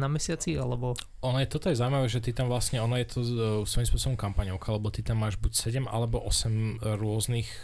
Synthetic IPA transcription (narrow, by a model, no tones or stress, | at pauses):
namɛsɪat͡sialɛbɔ | ɔnajɛt̪ɔt̪ɔjɛzawʊimaʋɛːʒɛt̪it̪amʋlasɲɛɔnajɛt̪ʰɔsʋɔjimspʊɔsɔbɔmkampaɲɔʊkaalɛbɔt̪it̪amːaːʒbucsɛɟɛmʔa̰lɛbɔʔɔsɛmɾʊɔznix